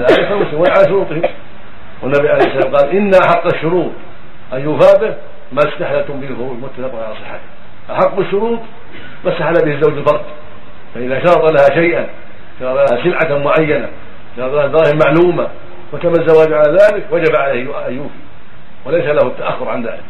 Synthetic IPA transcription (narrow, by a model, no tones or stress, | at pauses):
alʔaɪtalmʊsɪmwanʕalaʃʊɾuːt̪ˤɪhɪ | wɪnːabiʕalejhɪsːalaːmqɑːlʔɪnːaʔaħɑqːaʃːʊɾuːt̪ˤ | ʔajːuːfaːb̪ɪh | maɪst̪aħlat̪ʊmbɪhɪlfʊɾuːt̪mʊt̪ːaθaqʊnʕalasˤɨħːat̪ɪ̥h | ʔaħaqːbɪʃːʊɾuːt̪ˤ | masːaħalabɪhɪzːawd͡ʒɪlfɑɾˤd̪ | faʔɪðaʃɑɾˤɑt̪ˤɑlahaʃajʔan | ʃɑɾɑt̪ˤlahasɪlʕamʊʕajːana̰ | ʃɑɾˤɑt̪ˤlahad̪ɑɾˤɑːhɪmaʕluːma | wat̪amazːawaːd͡ʒʕalaːðaːlɪkwad͡ʒabaʕalajhʔʔajːuːfi | wɪlajsalahʊt̪ːaʔaxːʊɾʕanða̰ːlɪk